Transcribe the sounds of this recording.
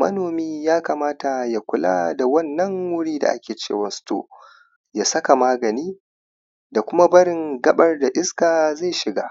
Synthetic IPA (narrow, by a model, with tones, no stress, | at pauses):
mɐ̰˦noː˨miː˦jaː˦kaː˨maː˦ta˨ja˨kʷʊ˦la̰ː˦da˨wɐ˦nːɐ˦ŋwʊ˦ɽiː˦da̰˨ʔa̰˦kʲeː˨t͡ʃḛː˦˨wɐ˨nsto̰ː˦ | ja˨sɐ˦ka˨maː˦ɡɐ˨niː˦ | da˨kʷʊ˦ma˦bɐ˦ɽɪ˨ŋɡɐ˦ɓɐ˦rda˨ʔɪ˦skaː˨za˦˨jʃɪ˨ɡaː˦